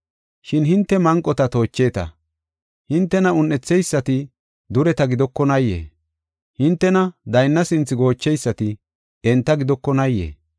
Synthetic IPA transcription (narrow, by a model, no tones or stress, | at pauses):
ʃɪnɦɪnt̪ːɛmɐŋkʼːɔt̪ɐt̪o̞ːt͡ʃːe̞ːt̪ɐ̰ | hɪnt̪ːɛnɐʊnːɛt͡sːɛjsːɐt̪ɪ | d̪ʊɾɛt̪ɐɡɪd̪ɔkːɔnɐjːḛː | hɪnt̪ːɛnɐd̪ɐjnːɐsɪnt͡sːɪɡo̞ːt͡ʃːɛjsːɐt̪ɪ | ɛnt̪ːɐɡɪd̪ɔkːɔnɐjːḛː